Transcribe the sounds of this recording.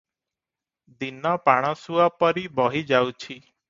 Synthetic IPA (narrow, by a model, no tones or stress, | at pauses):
d̪inɔpaɽ̃ɔsuapɔɾibɔɦid͡ʒawt͡ʃʰi